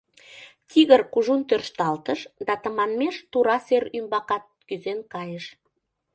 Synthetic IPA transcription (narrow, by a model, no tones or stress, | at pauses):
t̪ʰiɣərkuʒunt̪ørʃt̪ɑlt̪əʃd̪ɑt̪əmɑnmeʃt̪uɾɑseɾymbɑkɑt̪̚kyzenkɑjəʃ